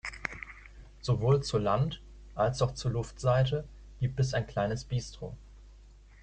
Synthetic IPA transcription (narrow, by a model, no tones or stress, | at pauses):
z̥ovoːlt͡suːɐlant | ʔalsaʊxt͡suːɐlʊftz̥aɪtə | ɡ̥iːp̚tɛs̬aɪnkl̥aɪnəsb̥iːstʁ̥o̰ː